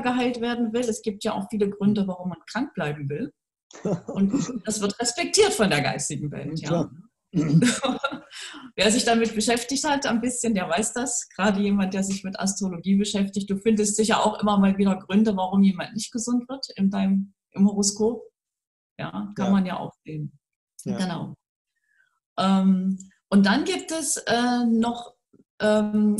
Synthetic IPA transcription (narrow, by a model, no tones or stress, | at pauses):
ɡəɦaɪltv̥eːɐdn̩vɪlɛsɡ̥iːp̚tjaːʔa̰ʊxfiːləɡʁʏndəvaʁ̞ʊmːankʁ̥aŋk̚b̥laɪbm̩vɪl | ʔʊntd̥asv̥ɪɐtʁɛspɛk̚tʰiːɐtfɔndeːɐɡa̰ɪstɪɡŋ̩vɛ̰ltja | veːɐzɪçd̥amɪt̚b̥əʃɛftɪçthatanbɪsçəndeːɐvaɪsd̥asɡ̥ʁaːdəjeːmantd̥eːɐzɪçmɪtʔa̰stʁ̥oloɡiːbəʃɛftɪçt̚d̥uːfɪndəstd̥ɪçjaːʔa̰ʊxʔɪmɐmaːlviːdɐɡʁʏndəvaʁʊmjeːmantnɪçt̚ɡ̥əzʊntv̥ɪɐtɪndaɪnəm | ʔɪmhoʁoskʰoːp̚ | ja̰ːkʰanmanja̰ːʔa̰ʊfz̥eːn | ɡ̥əna̰ʊ | ʔɛːm | ʔʊnt̚d̥anɡiːp̚tɛsʔɛːnɔχ | ʔɛːm